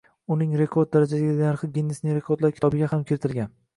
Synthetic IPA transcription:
ʊnɪŋɾe̞kʰoɾd̪̚d̪aɾad͡ʒasɪɡʲaaɾχɨɡʲinːɪsnɪŋɾe̞kʰo̞ɾd̪laɾkʲʰt̪ʰɒbɪɡʲahamkʲʰɪɾɪt̪ʰɪɾlɡʲan

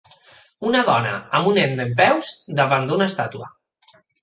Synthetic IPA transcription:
unaðɔna̰əmunend̪emp̬ɛwzd̪əβand̪unast̪at̪uə̰

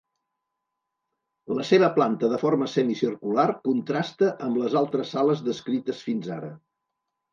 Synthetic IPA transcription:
ləseβəplant̪əðəforməsɛmisirkularkunt̪ɾast̪əʔəmbləzalˠt̪ɾəsaləzðəskɾit̪əsfinza̰ɾə̰

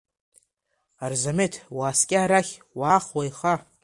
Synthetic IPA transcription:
arzametʰwaːskʲʼɪaɾaχʲ | waːχwajχa

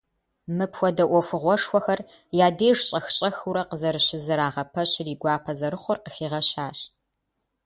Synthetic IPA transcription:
mɨpʰxʷɔdɐʔʷɔfɨʁʷɔʂxʷɔxɐr | jaːdeːʐɕʼɐxɕʼɐxuɾɐqəzɐɾɨɕɪzɨɾaːʁɐpʰɐɕriːɡʷɑːpʰɐzɐɾɨχʷɔrqəxiːʁɐɕaːɕ

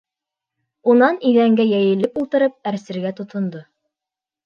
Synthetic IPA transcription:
unɑniðæŋɡæjæjɘ̆lːɘpulˠt̪ɤ̆ɾɤp̚æɾsɘ̆ɾɡæt̪ŏt̪ʰŏnd̪o

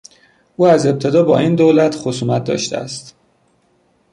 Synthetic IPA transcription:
ʔuːæze̞b̚t̪ʰe̞d̪ɒːbɒ̰ːiːnd̪oːlæt̪xosuːmæt̪̚d̪ɒ̰ːʃt̪ḛæ̰st̪

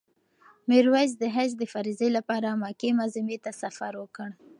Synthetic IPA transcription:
miɾwaz̬d̪əɦazd̪əfaɾizelapɑɾamɑkemazimet̪asafaɾwəkəɽ

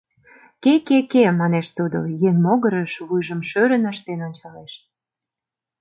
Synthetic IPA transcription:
kekekemɑneʃt̪ud̪o̰jeŋmoɣə̆ɾəʃβujʒə̆mʃøɾə̆nɑʃt̪enonʲt͡ɕɑleʃ

